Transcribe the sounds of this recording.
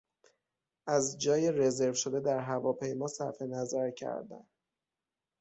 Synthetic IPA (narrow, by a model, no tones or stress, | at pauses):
ʔæzd͡ʒɒːjeɾe̞ze̞ɾvʃod̪ed̪æɾɦævɒːpʰe̞jmɒːsæɾfe̞næzæɾcʰæ̰ɾd̪æ̰n